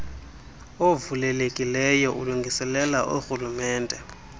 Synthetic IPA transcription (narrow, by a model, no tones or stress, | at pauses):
ovulɛlekʼilɛjɔʔuluŋɡʱisɛlɛlaʔoxulumɛːndʼɛ